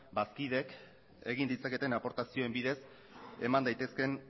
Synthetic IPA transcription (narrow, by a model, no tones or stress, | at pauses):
baskiðe̞k | e̞ɣ̞ind̪it͡sake̞t̪e̞napo̞ɾt̪asioe̞mbiðe̞s | e̞̰mand̪ajt̪e̞ske̞n